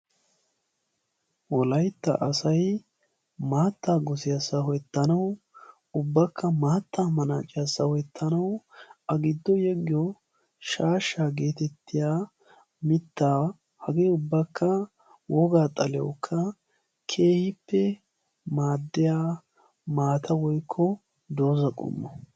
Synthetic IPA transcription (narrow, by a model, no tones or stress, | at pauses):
wɔlɐjt̪ːɐ̰ʔɐsɐj | maːt̪ːaːɡɔsɪjasɐhɔjɛt̪ːɐnɐw | ʊbːɐkːɐmaːt̪ʰːaːmɐna̰ːt͡ʃʼɪjasɐhɔjɛt̪ʰːɐnɐwɐɡɪd̪ːɔjɛɡːɪjɔ | ʃaːʃːaːɡe̞ːt̪ɛt̪ːɪjaː | mɪt̪ːaː | hɐɡeːʊbːɐkʰːɐ | wʔɔɡaːt̪ʼɐlɛɔkʰːɐ | kʰe̞ːhɪpːɛ | maːd̪ːɪjaː | maːt̪ʰɐwɔjkʰːɔ | d̪o̞ːzɐkʼʊ̰mːɔ